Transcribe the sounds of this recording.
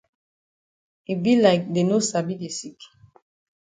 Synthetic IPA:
i˨bi˦laɪk̚de˨no˦sa˨bi˦de˨si˦k

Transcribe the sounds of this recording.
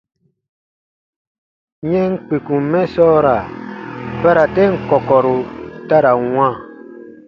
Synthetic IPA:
ɲɛ̃˦ŋ̩˦k͡pe˨kũ˨mɛ̃˦sɔː˦ɾa˨ | pa˦ɾa˨tɛ˦ŋ̩˨kɔ˨kɔ˨ɾu˨ta˦ɾa˨w̃ã˦˨

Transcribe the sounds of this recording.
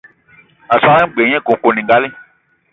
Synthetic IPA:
a˨sa˦ɛ̃˦ɡ͡bẽ˨˦ɛ̃˦kõ˨˦ko˨nĩ˨ɡa˦lẽ˦

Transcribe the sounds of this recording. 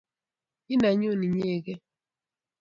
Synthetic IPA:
i˦na˨ɲo˦˨ni˨ɲ˦e˦˨ɡɛ˦

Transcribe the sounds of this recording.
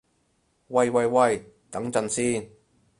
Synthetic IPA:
wɐ˧jwɐ˨˧jwɐ˧j | t̪ɐ˨˥ŋt͡sɐ˧nsiː˥n

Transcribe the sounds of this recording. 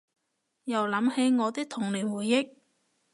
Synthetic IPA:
jɐ˨˩wlɐ˨˥mhe˨˧jŋɔː˨˧t̪ɪ˥k̚t̪ʰʊ˨˩ŋliː˨˩wwuː˨˩jːɪ˥k̚

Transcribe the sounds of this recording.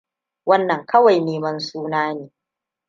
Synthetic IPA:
wɐ˦nːɐ˨ŋkɐ˦wa˨jneː˦mɐ˦nsuː˦naː˦neː˨

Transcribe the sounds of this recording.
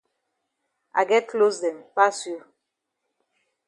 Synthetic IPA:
a̰˨ɡɛ˦t̚klo˦sdɛ˨mpa˦sju˨˦

